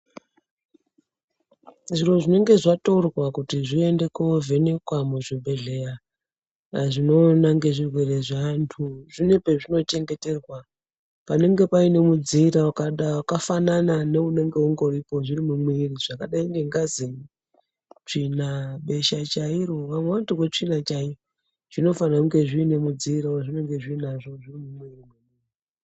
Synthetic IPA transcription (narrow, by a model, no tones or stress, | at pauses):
ʐiro̞ʐine̞ŋɡe̞ʐatorwakutiʐie̞nde̞kove̞ne̞kwamuʐibʱe̞ɮe̞ja | ʐino̞naŋɡe̞ʐirwe̞re̞ʐantʰuʐ̥ine̞pe̞ʐino̞t͡ʃe̞ŋɡe̞te̞rwa | pane̞ŋɡe̞paine̞mud͡ziɾaakaɗawakafananane̞une̞ŋɡe̞uŋɡo̞ɾipo̞ʐirimumwiriʐ̥akaɗaiŋɡeŋɡazi | t͡ʂinaɓe̞ʃat͡ʃaiɾo̞ʋamwewantukwet͡ʂinat͡ʃai | ʐ̥ino̞fanauŋɡe̞ʐiːne̞mud͡ziːɾaaʐine̞ŋɡe̞ʐiːnaʐo̞ʐirimumwiri